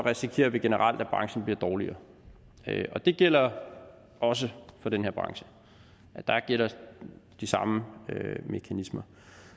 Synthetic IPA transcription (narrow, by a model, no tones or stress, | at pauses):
ʁɛsikʰe̝ːɐʋe̝ɡ̥e̝nəʁɑ̈l̰d̥æb̥ʁɑ̈ŋsn̩b̥liɐd̥ɒːliɐː | øɒ̽d̥e̝ɡ̥el̰ɐ | ɒ̽s̬əfɒ̽d̥enheɐb̥ʁɑ̈ŋɕə̥ | æd̥ɑ̈ɡ̥el̰ɐd̥isɑ̈məøme̝kʰænismɐ